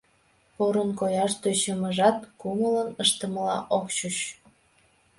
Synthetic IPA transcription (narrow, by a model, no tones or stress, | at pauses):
poɾənkojɑʃt̪øt͡ɕəməʒɑt̪kumələnəʃt̪əməlɑ̰ʔokt͡ɕut͡ɕ